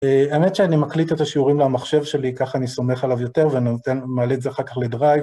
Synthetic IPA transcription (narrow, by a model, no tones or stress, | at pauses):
eaemetʃeanimaklit̪etaʃiuʁimlemaχʃe̞vʃe̞likaχaniso̞me̞χalavjo̞teʁveanotenmaːlezeaχaʁkaχledʁajv